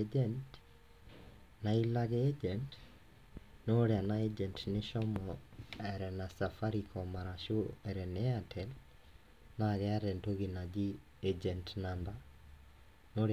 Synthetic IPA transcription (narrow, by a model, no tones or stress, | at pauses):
d͡ʒɛnt | nailaɣeed͡ʒɛnt | noɾeanaed͡ʒɛntneʃɔmɔɛɾɛnasafaɾikɔmaɾaʃoɛɾɛnɛatʰɛl | naɣɛaɾɛntoɣinad͡ʒi | ed͡ʒɛntnamba | noɾ